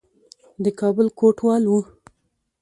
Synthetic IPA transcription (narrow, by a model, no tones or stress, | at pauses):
d̪əkɑbəlkoʈwɑlwu